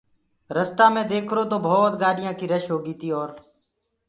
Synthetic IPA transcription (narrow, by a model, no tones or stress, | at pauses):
ɾəst̪aːmẽːd̪eːkʰɾoːt̪oːbʱɔːt̪ɡaːɗɪjãːkiːɾəʃɦoːɡiːt̪iːɔːɾ